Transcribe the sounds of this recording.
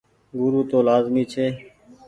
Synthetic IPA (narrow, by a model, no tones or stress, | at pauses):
ɡʊɾuːt̪oːlaːzmiːt͡ʃʰeː